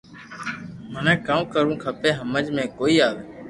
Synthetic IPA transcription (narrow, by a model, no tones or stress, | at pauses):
mənɛ̃ːkaːmkəɾũːkʰəpeːɦəməd͡ʒmẽːkoːiːaːʋeː